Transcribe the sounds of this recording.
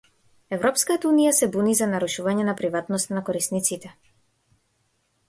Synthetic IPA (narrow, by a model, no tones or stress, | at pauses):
ɛvɾɔpskat̪aunijasɛbunizanaɾuʃuvaɲɛnapɾivat̪nɔst̪anakɔɾisnit̪sit̪ɛ